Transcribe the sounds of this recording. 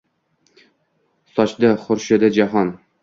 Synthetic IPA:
sɒt͡ʃd̪aχʊɾʃɪd̪ad͡ʒaɦɒn

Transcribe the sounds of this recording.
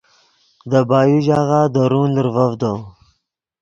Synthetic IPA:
d̪əbɑːjuʒɑɣad̪əɾunləɾvavd̪o

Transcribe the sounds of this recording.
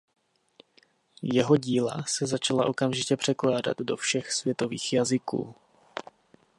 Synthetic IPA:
jɛɦo̞ɟiːla̰sɛzat͡ʃalaʔo̞kamʒɪcɛpr̥ɛklaːda̰d̪do̞fʃɛxsvjɛt̪o̞viːxjazɪkṵː

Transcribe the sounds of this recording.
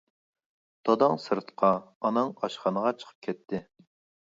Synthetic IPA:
d̪̥ɑd̪ɑŋsɨɾt̪qʰɑːnɨŋɑʃχɑnəʁɑt͡ʃʰə̥qʰə̥p̚kʲʰɛt̪ʰːɪ

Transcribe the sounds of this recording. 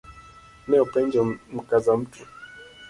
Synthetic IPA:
nɛupɛɲd͡ʒɔm̩kazam̩tʰu

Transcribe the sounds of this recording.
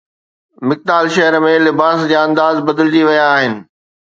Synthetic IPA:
mɪk̚t̪aːlʃɐɦəɾmẽlɪbaːsd͡ʑaɐ̃nd̪aːzbɐd̪əld͡ʑiʋɐjaːɦɪnɪ̆

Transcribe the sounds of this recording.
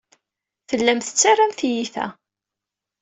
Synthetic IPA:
θəlːæmθə̥t͡sːaramθjiθæ̰

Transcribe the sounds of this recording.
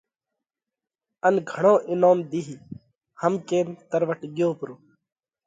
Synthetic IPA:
ənɡʱəɳõːʔɪnoːmd̪iɦiː | həmkeːnt̪əɾʋəʈɡɪjõːpəɾoː

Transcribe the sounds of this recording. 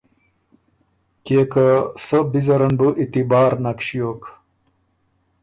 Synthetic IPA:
keːkasəbizɐɾɐnbuʔit̪ibaːɾnakɕijoːk

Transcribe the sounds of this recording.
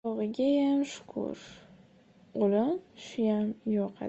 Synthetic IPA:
ɒʁɨɡʲajamʃʊ̥kʰʊ̰ɾ | olɪmʃʊjamjɒqʰa̰

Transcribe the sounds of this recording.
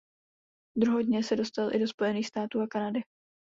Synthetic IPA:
d̪ɾuɦowdɲɛsɛdo̞st̪alʔɪ̰do̞spo̞jɛniːxst̪aːt̪uːakanadɪ

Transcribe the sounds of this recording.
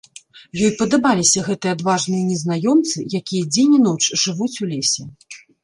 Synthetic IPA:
jɔjpɐd̪abalʲisʲɐɣɛt̪ɨjɛad̪vaʐnɨjɐnʲɛznajɔmt̪sɨjakʲijɐd͡zʲenʲinɔt͡ʂʐɨvut͡sʲulʲesʲɛ

